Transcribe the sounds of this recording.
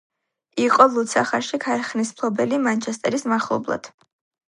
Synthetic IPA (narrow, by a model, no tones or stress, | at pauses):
iqʼɔlˠut̪sʰaχaʃikʰaɾχnismpʰˠɔbɛlimant͡ʃʰɛst̪ʼɛɾismaχlˠɔ̰blˠa̰d̪̥